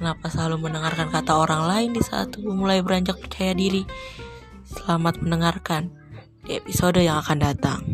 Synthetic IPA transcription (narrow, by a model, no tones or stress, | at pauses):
kənapasəlalumənəŋarkankat̪aoɾaŋlaɪndisa̰t̪ubumulajbəɾaɲd͡ʒak̚pərt͡ʃajadiɾi | səlamat̪̚mənəŋarkan | diepisodojaŋakandat̪a̰ŋ